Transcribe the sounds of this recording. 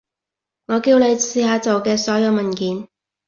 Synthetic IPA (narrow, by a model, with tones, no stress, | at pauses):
ŋɔː˨˧kiː˧wne˨˧jsiː˧haː˨˧t͡so˨wkɛː˧sɔː˨˥jɐ˨˧wmɐ˨nkiː˨˥n